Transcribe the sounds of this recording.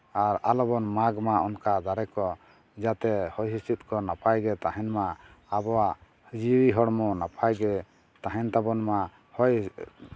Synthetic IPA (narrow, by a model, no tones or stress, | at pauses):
aɾalɔbɔnmaɡmaɔnkad̪aɾɛkɔ | d͡ʒat̪ɛhɔjɦist̪it̪̚kɔnapʰajɡɛt̪aɦɛnma | abɔwa | d͡ʒiwiɦɔɽmɔnapʰajɡɛ | t̪aɦɛnt̪abɔnma | hɔj